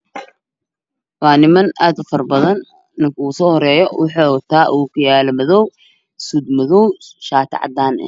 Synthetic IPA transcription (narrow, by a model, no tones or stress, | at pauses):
wɑːnɪmɐnaːd̪ʊfɐrbɐðɐnː | ɪŋkʰuːsɔːhɔɾɛːjɔwʔɑħɔːt̪ʰaːʔuːkʰʊjaːlɛmɐðɔw | suːd̪mɐðɔwʃaːt̪ʰɑ̰ʕɑ̰d̪aːnɛ̰